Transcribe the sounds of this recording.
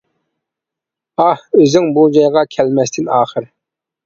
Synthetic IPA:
ɑhøzyŋbud͡ʒɑjʁɑkʲʰɛlmɛst̪ʰɪnɑːχəɾ

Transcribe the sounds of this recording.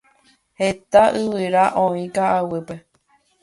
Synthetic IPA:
het̪aʔɨwɨɾaʔõĩkaʔawɨpe

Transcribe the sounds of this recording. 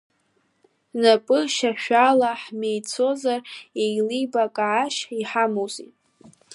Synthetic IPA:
napʼɨʃaʃᶣalaħmejt͡sʰo̞zarejlibakʼaʕaʃiħamowzʼitʼ

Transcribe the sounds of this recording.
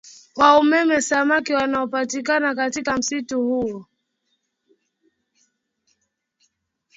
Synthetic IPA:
waumɛmɛsamakiwanaɔpatikanakatikam̩situhuɔ

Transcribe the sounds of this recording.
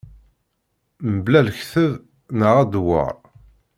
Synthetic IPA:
məblælçθəð | nəʁæd̪wə̰ɾˤ

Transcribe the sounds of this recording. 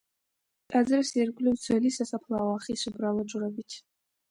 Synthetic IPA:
tʼad͡zɨrserɡʷlʲiwt͡sʷʰalisasapʰlaːwaχisʷɨbralaʈ͡ʂʼʊrabitʰ

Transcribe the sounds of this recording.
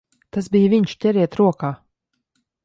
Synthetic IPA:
t̪asbijviɲʃcʲɛɾiɛt̪ɾuɔkaː

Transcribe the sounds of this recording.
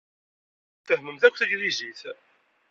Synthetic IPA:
θəhməmθækʷːθəʝliziθ

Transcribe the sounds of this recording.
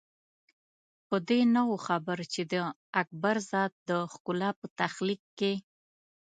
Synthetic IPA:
pəd̪enawoxabəɾt͡ʃed̪ə | ak̚baɾzɑd̪̚d̪əxkʊlapət̪axlikːe

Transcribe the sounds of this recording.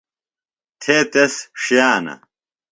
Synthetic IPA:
t̪ʰeːt̪esʂjaːnɐ̰

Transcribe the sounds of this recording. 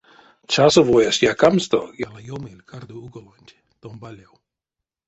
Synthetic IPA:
t͡ʃasovojasjakamst̪ɔ̰jalajomilʲkʰard̪uuɡolanʲtʲ | t̪ombalʲɛw

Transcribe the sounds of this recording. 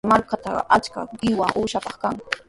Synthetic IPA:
maɾkat̪a̰at͡ʃka̰ɢɪwaʔuːʃapɑχkaŋ

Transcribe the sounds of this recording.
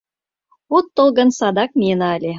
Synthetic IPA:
ot̪ːɤlˠɣɤ̆nsɑd̪ɑk̚mʲenɑlʲe

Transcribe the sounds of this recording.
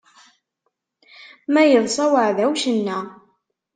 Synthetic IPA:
mæjəðˤsˤɑwəʕðæwʃənːæ

